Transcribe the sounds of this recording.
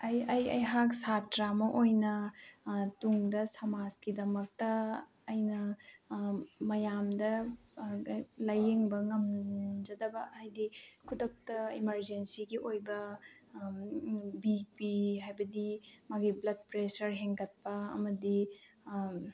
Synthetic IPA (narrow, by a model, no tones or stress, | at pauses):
ɐjɐjɐ̰jɦaksatɾamɐʔojnɐ | tuŋdɐsɐmazkidɐmɐk̚tɐːjnɐ | mɐjamdɐ | lɐjeŋbɐŋɐmd͡ʒɐdɐbɐhajdikʰudɐk̚tɐimɐɾd͡ʒensiɡiʔojbɐ | bik̚piɦajbɐdimɐɡiblɐd̚pɾesɐɾɦeŋɡɐt̚pɐɐ̰mɐdi